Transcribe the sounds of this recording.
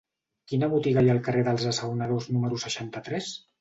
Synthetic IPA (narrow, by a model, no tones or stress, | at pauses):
kinəβut̪iɣajaəlˠkəreðəlˠzəsəwnəðoznuməɾusəʃant̪ət̪ɾɛs